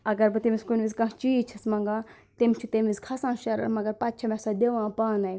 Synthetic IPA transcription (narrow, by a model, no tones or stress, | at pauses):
ɐɡɐɾbɨt̪imiskunʲʋizkɐ̃ɦt͡ʃiːt͡ʃʰɐsmɐ̃ŋɡaː | t̪imt͡ʃʰut̪emʋizkʰɐsãːʃɐɾɐ̰ɾmɐɡɐɾpɐt̪̚t͡ʃʰɐmɛ̃saːd̪eʋãːpaːnɐj